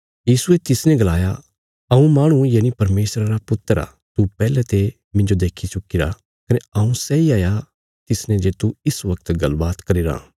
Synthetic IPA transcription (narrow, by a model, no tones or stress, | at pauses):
jiːsuet̪ɪsnɛ̃ɡɐlaːja̰ | ɐũmaːɽ̃ujaːnipɐɾmeːsɾaɾapʊt̪ːəɾa̰ | t̪upɛːlɛt̪e | mɪ̃nd͡ʒod̪eːkʰit͡ʃʊkiɾa̰ | kɐneɐũsɛiaːja | t̪ɪsnɛ̃d͡ʒeːt̪uɪsʋɐkt̪ɡɐlbaːt̪kɐɾiːɾa̰ː